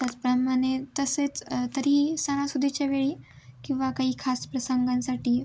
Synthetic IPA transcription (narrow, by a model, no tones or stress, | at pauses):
t̪jat͡spɾəmanet̪əset͡st̪əɾiːsañãsud̪ʱit͡ɕjaʋeɭiː | kĩw̃ʋakaɦiːkʰaspɾəsəŋɡãnsaʈiː